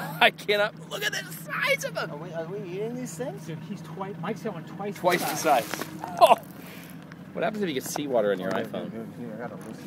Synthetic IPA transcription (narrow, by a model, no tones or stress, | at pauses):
aɪkʰæ̃ñɑt̚lʊkɨt̪̚ðɨtsaɪzʌvə̃ə˞wiə˞wiiɾɪ̃ŋðiz̥θɪ̃ŋz̥əiz̥tʰw̥aɪmaɪksʌ̃mwʌ̃ntʰw̥aɪstʰw̥aɪsɨsaɪdz̥o | wʌ̰t̚hæpn̩zɨfjɨkɨ̥siwɔɾə˞ɨ̃njə̰˞a̰ɪfõ̰ʊ̃naɡɑɾəɪ